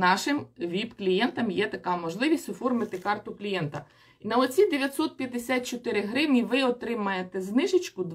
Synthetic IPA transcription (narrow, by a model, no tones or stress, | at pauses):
nɑʃɪmʋʲibklʲijɛnt̪ɐmjɛt̪ɐkɑmɔʒlˠɪʋʲisʲtʲɔfɔrmɪt̪ɪkɑrt̪ʊklʲijɛnt̪ɐ | inɐɔt͡sʲid̪eʋʲjɐt̪ʲsɔt̪̚pʲjɐd̪ːesʲat̪̚t͡ʃɔt̪ɪɾɪɦɾɪwnʲiʋɪɔt̪ɾɪmɐjet̪ɛznɪʒɪt͡ʃkʊd̪